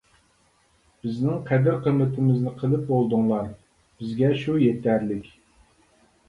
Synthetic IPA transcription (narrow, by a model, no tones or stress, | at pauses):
b̥ɪznɪŋqʰɛd̪ɪɾqʰəmːɪt̪ʰɪmɪznɪqʰəlˠɨp̚bolˠd̪ʊŋlˠɑɾ | b̥ɪzɡʲɛʃujet̪ʰæɾlɪkʲ